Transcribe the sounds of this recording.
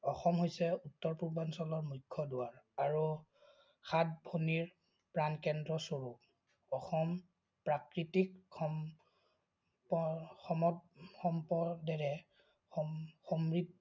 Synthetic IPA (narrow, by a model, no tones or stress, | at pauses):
ɔxɔmɦojsɛutːɔɹpuɹbansɔlɔɹmukʰːɔdʊaɹaɹu | xʰat̚bʱoniɹ | pɹankɛndɹɔsoɹup | ɔxɔm | pɹakɹitikɔ | pɔxɔmɔtxɔmpɔdɛɹɛ | ɔxomɹid̚